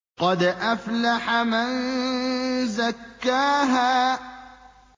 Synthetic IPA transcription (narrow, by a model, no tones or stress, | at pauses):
qɑd̪ʔaflaħaman | zakːaːɦaː